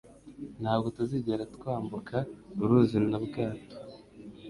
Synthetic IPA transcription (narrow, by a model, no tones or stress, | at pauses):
n̥haːbɡo̞tuziɟeɾatkwaːmbukʰauɾuzimnabɡaːto̥